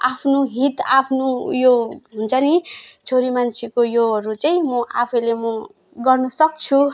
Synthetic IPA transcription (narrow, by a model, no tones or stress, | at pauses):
apʰnoɦit̪apʰnojoɦunt͡sʰʌnit͡sʰoɾimant͡sʰikojoʌɾut͡saĩmʌʔapʰʌjlemʌ | ɡʌrnʌsʌk̚t͡sʰu